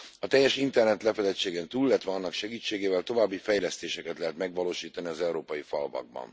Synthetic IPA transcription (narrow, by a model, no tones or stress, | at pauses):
ɒt̪ɛjːɛʃint̪ɛrnɛt̪lɛfɛlɛt͡ʃːeːɡɛnt̪uːlːɛt̪ʋɛɒnːɒkʃɛɡiːt͡ʃːeːɡeːvɛlt̪o̞vaːbːifɛjlɛst̪eːʃɛkɛt̪lɛɦɛt̪mɛɡʋɒloːʃiːt̪ɒniɒzɛuɾoːpɒjifɒlvɒ̰ɡ̚bɒ̰n